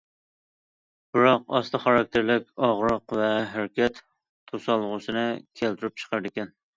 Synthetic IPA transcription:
b̥ɪɾɑqɑst̪ɨχɑɾɑk̚ʲt̪ʰeɾlɪkʲɑʁɾəqvɛɦæɾkʲɛt̪ | t̪ʰːosɑlˠːəʁʊsɨnɨkʲʰælt̪ʰɪɾyp̚t͡ʃʰə̥qʰɑɾd̪ɪkʲɛn

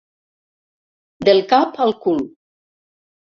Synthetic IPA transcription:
d̪elˠkapalˠkul

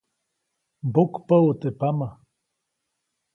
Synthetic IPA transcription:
bokpaot̪epama

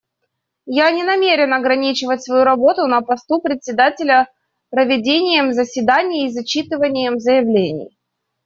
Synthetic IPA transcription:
janʲɪnɐmʲeɾʲɪnɐɡɾɐnʲit͡ɕɪvətʲsvɐjuɾɐbo̞t̪ʊnəpɐst̪upɾʲɪt̪ʲsʲɪd̪atʲɪlʲə | pɾəvʲɪdʲenʲɪjəmzəsʲvʲɪd̪anʲɪjːzɐt͡ɕit̪ɨvənʲɪjəmzəjɪvlʲenʲɪ̰j

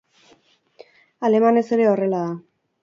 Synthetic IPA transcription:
ale̞mane̞se̞ɾe̞o̞re̞laða

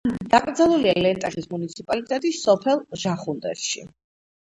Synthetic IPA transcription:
d̪̥akʼɾd̪zɛlˠulialɛnt̪ʼɛχismunit̪sʰipʼalit̪ʼɛt̪ʼisɔpʰɛlˠʒ̥aχund̪ɛ̰ɾʃḭ

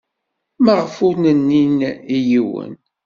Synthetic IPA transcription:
maʁəfʊnənːinijiwə̰n

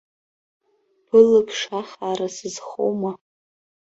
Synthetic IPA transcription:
b̥ɨlɨkʲʰʂaχaːɾasɨzχo̰wma

